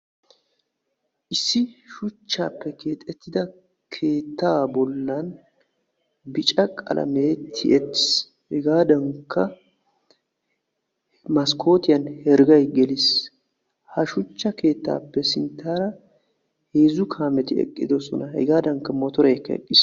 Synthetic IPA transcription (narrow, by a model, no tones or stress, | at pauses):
ʔɪsːɪʃʊt͡ʃːa̰ːpːɛkʰe̞ːt̪ʼɛt̪ːɪd̪ɐ | kʰe̞ːt̪ːaːbɔlːɐn | bɪt͡ʃʼɐkʼɐ̰lʔɐ̰meːt̪ʰːɪ̰ʔɛt̪ːɪ̥s | hɛɡaːd̪ɐŋkʰːɐ | mɐskʰo̞ːt̪ɪjɐnhɛɾɡɐjɡɛlɪs | hɐʃʊt͡ʃːɐke̞ːt̪ːa̰ːpːɛsɪnt̪ːaːɾɐ | heːzʊkʰaːmɛt̪ɪɛ̰kʼːɪ̰d̪ɔsɔnɐhɛ̰ɡaːd̪ɐŋkːɐmɔt̪ɔɾɛkːɐɛ̰kʼːɪs